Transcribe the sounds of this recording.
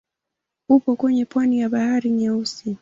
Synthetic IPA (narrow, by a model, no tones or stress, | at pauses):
upɔkwɛɲɛpwanijaɓahaɾiɲɛusi